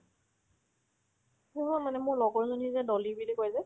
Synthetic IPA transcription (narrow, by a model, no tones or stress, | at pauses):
nuɦɔmanɛmʊɹlɔɡɔɹzonizɛdɔlibilikojzɛ